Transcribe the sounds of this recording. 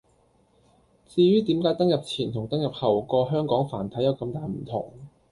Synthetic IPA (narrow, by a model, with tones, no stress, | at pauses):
t͡siː˧ɥyː˥t̪iː˨˥mkaː˨˥jt̪ɐ˥ŋjɐ˨p̚t͡sʰiː˨˩nt̪ʰʊ˨˩ŋt̪ɐ˥ŋjɐ˨˩p̚hɐ˨˩wkɔː˧ɦœː˥ŋkɔː˨˥ŋfaː˨˩nt̪ʰɐ˨˥jɐ˨˧wkɐ˧mt̪aː˨˩jm̩˨˩t̪ʰʊ˨˩ŋ